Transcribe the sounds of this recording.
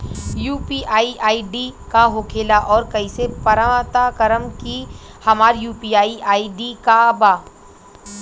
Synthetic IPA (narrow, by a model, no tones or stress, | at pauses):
juːpiːʔaːiʔaːiɖikaɦoːkʰeːlaʔɔːɾkɐisepɐɾat̪akəɾəmki | hɐmaːɾjuːpiːaːiʔaːiɖikabaː